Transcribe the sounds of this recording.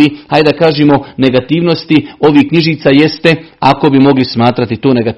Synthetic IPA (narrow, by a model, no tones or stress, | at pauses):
ihajd̪akaːʒemo̞ne̞ɡat̪iːʋno̞st̪io̞ʋiːhkɲiʒiːt̪saːje̞st̪e̞ako̞bimo̞ɡlismaːt̪ɾat̪it̪oːneɡat̪